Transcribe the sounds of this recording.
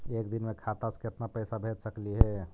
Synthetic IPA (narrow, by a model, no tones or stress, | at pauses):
ekd̪inmekʰat̪askeəp̪napəjsabʱet͡ʃsəkliɦɛ